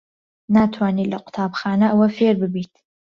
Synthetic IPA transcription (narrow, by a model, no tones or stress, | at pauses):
naːt̪ʰwaːniːlaqʷʊ̥t̪ʰaːbχaːnɐʔɐwɐfeːɾbɨbit̪ʰ